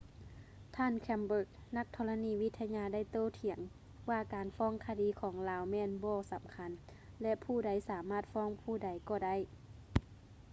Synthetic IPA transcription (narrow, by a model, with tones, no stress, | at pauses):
t̪ʰaː˧˥˨nkʰɛ˧mbɤː˧˥˩k̚na˧˥k̚t̪ʰɔː˧la˧niː˧˩ʋi˧˥t̪ʰːa˧ɲaː˧da˥˩˨jt̪oː˧˨t̪ʰi˨˩˦əŋ | waː˧˩kaː˨nfɔː˧˥˨ŋkʰa˧diː˨˦kʰɔː˩˦ŋlaː˧wmɛː˧˥˨nbɔː˧˩sa˨˦mkʰa˧˦n | lɛ˧ʔpʰuː˧˩da˨˧˦jsaː˨˦maː˧˥˩t̪̚fɔː˧˥˨ŋpʰuː˧˥˩da˨˦jkɔː˧˩da˥˨j